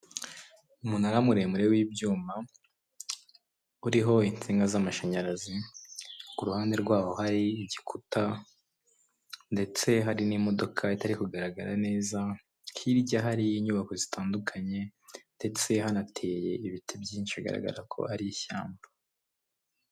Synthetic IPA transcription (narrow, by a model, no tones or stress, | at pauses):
umunaɾamuɾe̞muɾe̞wiːbɟuːma | uɾiɦo̞int͡siŋɡazamaʃaɲaɾazi | kuɾuhaːnde̞ɾɡwaːwo̞haɾiːɟikʰuta | nde̞t͡se̞ɦaɾinimo̞do̞kʰaitaɾikuɡaɾaɡaɾane̞ːza | hʰiɾɟaɦaɾiːɲuβako̞zitaːndukʰaɲe̞nde̞t͡se̞hanatʰe̞ːje̞iβitʰibjiːnʃiɡa̰ɾa̰ɡa̰ɾakʰo̞̰aɾiiça̰ːmba